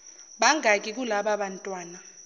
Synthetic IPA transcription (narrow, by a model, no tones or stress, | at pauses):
ɓaŋʱak̬ʼik̬ulaɓaɓantʼwaːna